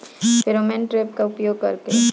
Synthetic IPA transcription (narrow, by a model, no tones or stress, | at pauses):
pʰɪɾomẽnʈɾeːpkaʊpjoːɡ̚kɐɾke